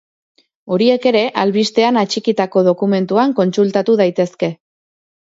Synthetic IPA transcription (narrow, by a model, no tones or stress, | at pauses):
o̞ɾie̞ke̞ɾe̞ʔalβist̪e̞anat͡ʃikit̪ako̞ðokume̞nt̪uaŋko̞nsult̪at̪uð̞ajt̪e̞ske̞